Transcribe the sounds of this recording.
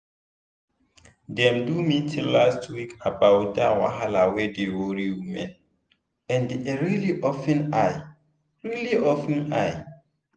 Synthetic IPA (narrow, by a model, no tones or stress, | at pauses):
dɛ̃mdumitʰilːastʰwikabawdawa̰ɦalawɛdewoɹiwimɛ̃n | ɛ̃ndeɹiliʔɔfɛ̃naj | ɹiliɔfɛ̃naj